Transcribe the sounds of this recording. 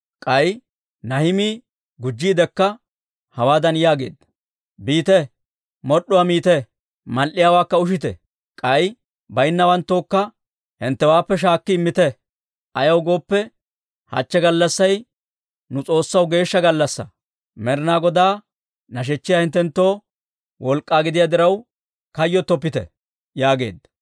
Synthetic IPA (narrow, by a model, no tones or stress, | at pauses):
kʼɐj | nɐhɪmiː | ɡʊd͡ʒːiːd̪ɛkːɐ | hɐwaːd̪ɐnjaːɡe̞̰ːd̪ɐ̥ | biːt̪ɛ | mɔɗːʊwamiːt̪ɛ | mɐlʔɪjaːwaːkːɐʊʃ̬ɪt̪ɛ̰ | kʼɐj | bɐjnːɐwɐnt̪ːoːkːɐ | hɪnt̪ːɛwaːpːɛʃ̬aːkːɪɪmːɪt̪ɛ | ʔɐjɐwɡo̞ːpːɛ | hɐ̰t͡ʃːɛɡɐlːɐsːɐj | nʊt͡sʼo̞ːsːɐwɡe̞ːʃːɐɡɐlːɐsːɐ̰ | mɛɾɪnaːɡɔd̪aː | nɐʃ̬ɛt͡ʃːɪjaːhɪnt̪ːɛnt̪ːo̞ː | wʔɔlkʼːaːɡɪd̪ɪjaːd̪ɪɾɐw | kɐjːɔt̪ːɔpːɪt̪ɛ̰ | jaːɡe̞̰ːd̪ː